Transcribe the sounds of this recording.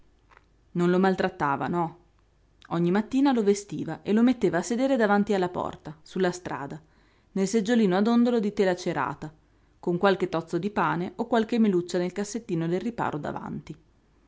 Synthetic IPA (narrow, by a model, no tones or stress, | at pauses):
nonlomalt̪ɾat̪ːaːva̰nɔ | ɔɲːimat̪ːiːnalovest̪iːvaʔelomet̪ːeːvaːsːed̪eːɾed̪avant̪ialːapɔ̰rt̪asulːast̪ɾa̰ːd̪a | nelsed͡ʒːoliːnoad̪ond̪olod̪it̪eːlat͡ʃeɾa̰ːt̪a | koŋkwalket̪ːɔt̪sːod̪ipaːneokwalkemːelut͡ʃːanelkasːet̪ːiːnod̪elripa̰ːɾʔod̪a̰va̰nt̪i